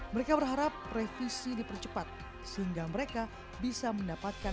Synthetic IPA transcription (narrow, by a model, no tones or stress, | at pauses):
məɾekabərɦaɾapːrefisidipərt͡ʃəpat̪̚ | səɦiŋɡaməɾeka | bisaməndapat̪̚ka